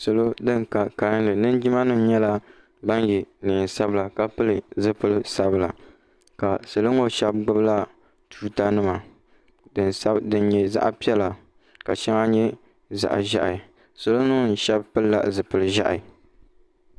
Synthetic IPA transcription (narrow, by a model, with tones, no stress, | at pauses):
sɨ˨lo˦dɨ˦ŋka˨ka˨˦n˦lɨ˨nɨ˦n˦d͡ʒi˦ma˦nɨ˦m˦ɲɛ˦la˦ | ba˦nji˨lɪ˨ɪ˨nsa˦bɨ˦la˨ka˦pɨ˦lɨ˨zɨ˦pɨ˦lɨ˦sa˦bɨ˨la̰˨ | ka˨sɨ˨lɨ˦ŋo˦ʃɛ˦b̚ɡ͡bʊ˦bla˦ | tʰu˦ta˦nɨ˦ma˨ | n˦dɨ˦n˦ɲɛ˨za̰˦ʔpi˦ɛ˦la˨ | ka˨ʃɛ˦ŋa˦ɲɛ˦ | za̰˨ʔʒa̰˦ʔa˨ | sɨ˨lo˦nu˦˨n̩˨ʃɛ˦bpɨ˦lla̰˨zɨ˨pɨ˨lɨ˨ʒa̰˦ʔa˨